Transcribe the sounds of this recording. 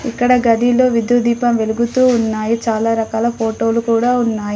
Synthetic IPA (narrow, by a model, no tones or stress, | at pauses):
ikːɐɽɐɡɐɽilo̞ːʋid̪jud̪iːpɐmʋe̞luɡut̪uːnːaːjit͡ʃaːlaːɾɐkaːlɐpʰoːʈo̞ːlukuːɽaːunːaːji